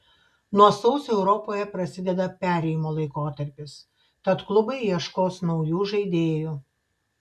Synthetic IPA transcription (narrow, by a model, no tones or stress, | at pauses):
nuɔsɐʊsʲɛʊɾɔpoːjɛpɾɐsʲɪd̪ʲɛd̪ɐpʲæːɾʲɛɪjɪmoːlˠɐɪkoːt̪ɐɾʲpʲɪs | t̪ɐt̪klˠʊbɐɪjiɛʃkoːsnɒʊjuːʒɐɪd̪ʲeːjuː